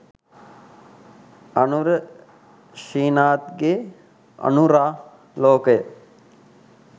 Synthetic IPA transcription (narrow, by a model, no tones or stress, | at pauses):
ɐnuɾə | ʃiːnaːt̪ɡeː | ɐ̰nuɾaː | loːkəjə